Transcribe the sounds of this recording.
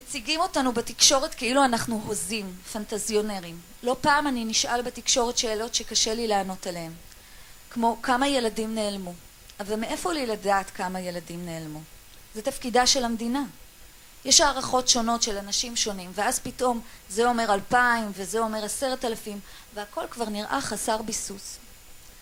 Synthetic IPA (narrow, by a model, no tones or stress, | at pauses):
met͡siɡimo̞tanubetikʃo̞ʁe̞tkeiluanaχnuɦo̞zimfantazjo̞neʁim | lo̞paːmaniniʃʔalbetikʃo̞ʁetʃe̞ːlo̞tʃe̞kaʃe̞lileːno̞talehem | kmo̞kamaje̞ladimne̞ːlmu | avalmeʔe̞fo̞liladaːtkamaje̞ladimne̞ːlmu | zetafkidaʃe̞lhamdina | jeʃaːʁaχo̞tʃo̞no̞tʃe̞lanaʃimʃo̞nimveazpito̞mzeo̞me̞ʁalpaimvezeo̞me̞ʁase̞ʁetalafim | veako̞lkvaʁniʁʔa̰χasaʁbisus